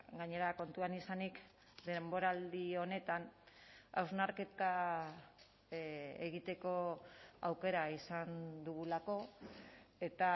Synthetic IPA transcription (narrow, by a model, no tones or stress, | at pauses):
ɡaɲe̞ɾako̞nt̪uanisanik | d̪e̞mbo̞ɾald̪io̞ne̞t̪an | a̰wznaɾke̞t̪a | eɣit̪e̞ko̞awke̞ɾaisand̪uɣulako̞ | e̞t̪a